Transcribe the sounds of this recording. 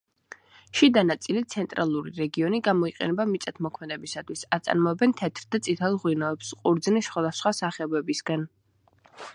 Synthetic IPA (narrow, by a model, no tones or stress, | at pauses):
ʃid̪anat̪sʼilit̪sʰɛnt̪ʼɾalˠuɾḭɾɛɡiɔniɡamɔiqʼɛ̰nɛbamit̪sʼɛt̪ʰmɔkʰmɛd̪ɛbisat̪ʰwisat̪sʼa̰ɾmɔɛbɛnt̪ʰɛt̪ʰɾd̪at̪sʼit̪ʰɛlˠʁwinɔɛpsqʼuɾd̪znisχwad̪asχwasaχɛɔbɛbisɡan